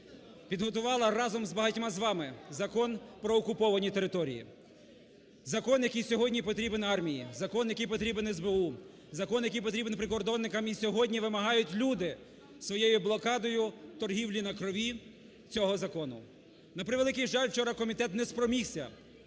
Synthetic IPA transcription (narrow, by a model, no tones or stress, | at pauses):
pʲid̪ɦɔt̪ʊʋɑlˠɐrɑzɔmzbɐɦɐtʲmɑzʋɑmɪzɐkɔnpɾɔːkʊpɔʋɐnʲit̪e̞ɾɪt̪ɔɾʲḭjḭ | zɐkɔnjɐkijsʲɔɦɔdʲnʲipɔt̪ɾʲibenɑrmʲijḭzɐkɔnjɐkijpɔt̪ɾʲibenɛzbeu | zɐkɔnjɐkijp̬ɔt̪ɾʲibenpɾɪkɔrd̪ɔnːɪkɐmisʲɔɦɔdʲnʲiʋɪmɐɦɑjʊtʲlʲud̪ɪ | sʋɔjejʊblˠɔkɑd̪ɔjʊt̪ɔrɦʲiwlʲinɐkɾɔʋʲi | t͡sʲɔɦɔzɐkɔnʊ̰ | nɐpɾɪʋelˠɪkɪjʒɑlʲwt͡ʃɔɾɐkɔmʲit̪ɛt̪nɛspɾɔmʲixsʲɐ